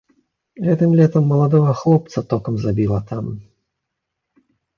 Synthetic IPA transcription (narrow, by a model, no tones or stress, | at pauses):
ɣɛt̪ɨmlʲɛt̪ɐmːɐlˠad̪ɔɣɐxlˠɔp̚t̪sɐt̪ɔkɐmzabʲilˠɐt̪am